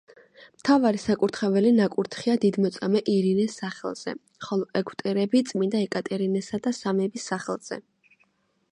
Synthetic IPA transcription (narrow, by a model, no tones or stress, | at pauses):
mt̪ʰavaɾisakʼuɾt̪ʰχɛvɛlinakʼuɾt̪ʰχiad̪id̪mɔt̪sʼamɛʔiɾinɛsːaχɛ̰lˠz̥ɛ̰ | χɔlˠɔʔɛɡʰwt̪ʼɛɾɛbit̪sʼmind̪aɛkʼat̪ʼɛɾinɛsad̪asamɛbisːaχɛlˠz̥ɛ̰